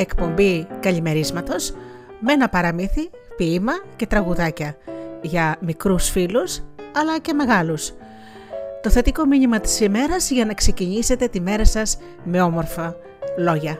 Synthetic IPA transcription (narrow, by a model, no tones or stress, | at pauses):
e̞kpo̞mbikɐʎime̞ɾizmɐt̪o̞s | me̞nɐpɐɾɐmiθi | piːmɐce̞t̪ɾɐɣuðɐcɐʝɐmikɾusfilusɐlɐce̞me̞ɣɐlus | t̪o̞θe̞t̪iko̞miɲimɐt̪i̥sime̞ɾɐzʝɐnɐkse̞ciɲise̞t̪e̞t̪ime̞ɾɐsɐz | me̞o̞mo̞ɾfɐ | lo̞ʝɐ